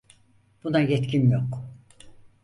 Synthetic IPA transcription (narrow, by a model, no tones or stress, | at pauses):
b̥unajɛt̪cʰinjok